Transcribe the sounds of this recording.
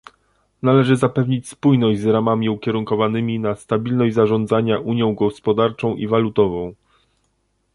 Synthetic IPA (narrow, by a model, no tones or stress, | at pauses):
nalɛʐɘzapɛvɲit͡ɕspujnɔʑd͡ʑzɾamamʲiukʲɛɾuŋkɔvanɘmʲinast̪abʲilnɔʑd͡ʑzaʐɔnd̪zaɲaʔuɲjɔ̃w̃ɡɔspɔd̪aɾt͡ʂɔ̃w̃ʔivalut̪ɔvɔ̃w̃